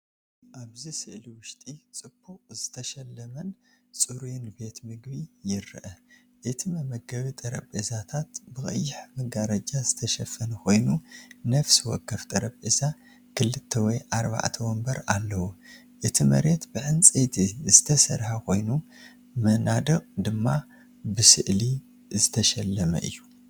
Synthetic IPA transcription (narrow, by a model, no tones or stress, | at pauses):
ʔaβzisɨʔliwʊʃt̪ʼit͡sʼɨbʰukʼzɨt̪ʰɐʃɐlːɐmɐn | t͡sʼuɾujnbe̞t̪mɨɡbijɪɾʔɐ | ʔɨt̪ʰimɐmɐɡɐβit̪ʼɐɾɐ̰bʼezat̪ʰat̪bɨxʼɐ̰jːɪħmɨɡaɾɐd͡ʒazɨt̪ʰɐʃɐfɐnkʰo̞jnunɐfsiwɔkʰːɐft̪ʼɐɾɐbʼeza | kʰɨlːɨt̪ʰːɐwɔjʔaɾba̰ʕt̪ʰɐwɔmbɐɾalːɐwu | ʔɨt̪ʰimɐ̰ɾe̞t̪bɨʕɨnt͡sʼet̪ʰizɨt̪ʰɐsɐ̰ɾħakʰo̞jnu | mɐnad̪ɨɣʼd̪ɨmːa | bɨsɨʔli | zɨt̪ʰɐʃɐlːɐmɐ̰ʔɨ̰jːu